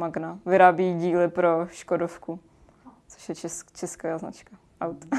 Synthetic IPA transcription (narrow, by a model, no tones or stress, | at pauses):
maɡnavɪɾaːbiɟiːlɪpɾoʃkodofku | t͡soʃjɛɛt͡ʃɛskaaːzna̰t͡ʃka | ʔawt̪